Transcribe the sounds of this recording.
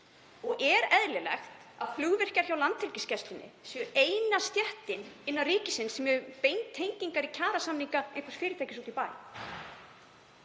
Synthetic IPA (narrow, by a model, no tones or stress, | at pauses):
ɔɣʔɛɾɛðlɪlɛ̰xt̪ | aðflʏɣvɪr̥caɾ̥çawlant̪hɪlcɪscɛst̪lɪnːɪ̰sjœeːjnast̪jɛht̪ɪnɪnːawriːcɪsɪnsɛmɛʏpejŋt̪ʰːejɲciŋkaɾicʰaːɾasamniŋkaẽjŋkvasfɪːɾɪt̪ʰajcɪsut̪ipaːj